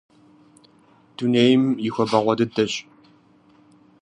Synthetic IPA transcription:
d̥unejmixʷɐbɐʁʷɔdɨdɐɕ

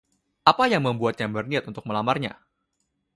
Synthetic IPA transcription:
ʔapajaŋməmbuat̪̚ɲabərniat̪unt̪ʊk̚məlamarɲa̰

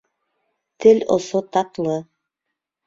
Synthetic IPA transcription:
t̪ʰɘlʲo̰sot̪ɑt̪lˠɤ

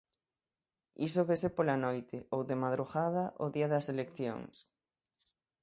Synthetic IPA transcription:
ḭsoβesepolanojt̪ɪowðemaðɾuɣaðɐʔoðiɐðɐselekθjo̰ŋs

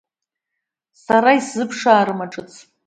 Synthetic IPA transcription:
saɾaiszɨpʰʂaːɾɨmaʈ͡ʂʼɨt͡sʰ

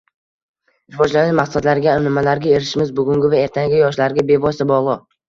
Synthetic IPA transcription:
ɾɪvɒd͡ʒlanɪnmaχad̪laɾɡʲanɪmalaɾɡʲae̞ɾɪʃɪmɪzbʊɡʲʊŋɡʲɪvae̞ɾt̪ʰaŋɡʲɪjɒʃlaɾɡʲabe̞vɒst̪abɒlˠɨ

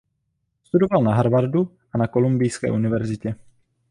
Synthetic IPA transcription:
st̪udo̞valnaɦaɾvaɾdu | ʔanako̞lumbɪjskɛ̰ːʔunɪvɛɾzɪcɛ

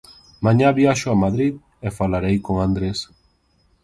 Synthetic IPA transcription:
mãɲaβjaʃʊamaðɾið | efalaɾejkoŋand̪ɾes

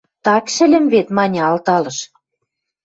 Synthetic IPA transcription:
t̪ɑkʃɘ̆lʲɘ̆mβet̪mɑnʲɑɑlt̪ɑlɤ̆ʃ

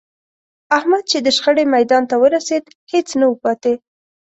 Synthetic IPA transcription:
ahmad̪̚t͡ʃed̪əʃxəɽemajd̪ɑnt̪awəɾased̪ | het͡snawəpɑt̪e

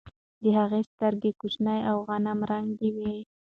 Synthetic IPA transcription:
d̪əɦaɣest̪aɾɡekut͡ʃnajawɣanamɾaŋd̪iwe

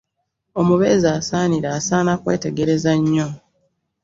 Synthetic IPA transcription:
o̞muβezaːsaːniɾaːsaːnakwe̞̰ːte̞ɡe̞ɾe̞zaɲːo̞

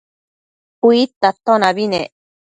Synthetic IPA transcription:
uit̪at̪onaβine

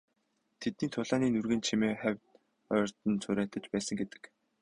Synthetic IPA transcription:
t̪ʰet̪niːnt̪ʰʊɮaːniːnurɣɘ̆nt͡ɕʰimeːχæwʲt | œːr̥t̪ɘ̆nt͡sʰʊɾæːt̪ə̆t͡ɕpæːsə̆ŋɡet̪ɘ̥̆k

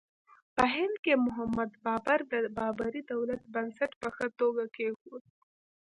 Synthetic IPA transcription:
pəɦɪnd̪̚kemʊɦamad̪bɑbaɾd̪əbɑbaɾid̪awlat̪̚bansaʈpəxət̪oɡakexud̪̚

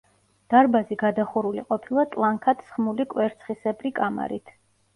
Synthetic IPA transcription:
d̪̥aɾbaziɡad̪aχuɾuliqʼɔpʰilˠat̪ʼlˠaŋkʰat̪ʰsχmulikʼwɛɾt̪sʰχisɛbɾikʼama̰ɾḭt̪ʰ

